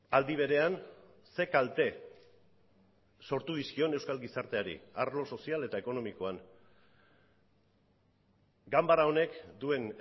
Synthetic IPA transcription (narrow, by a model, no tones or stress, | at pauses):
ald̪iβ̞e̞ɾe̞an | se̞kalt̪e̞ | so̞ɾt̪uðiskio̞ne̞wskalɡisaɾt̪e̞aɾḭaɾlo̞so̞siale̞t̪ae̞ko̞no̞miko̞an | ɡambaɾao̞ne̞kd̪ue̞n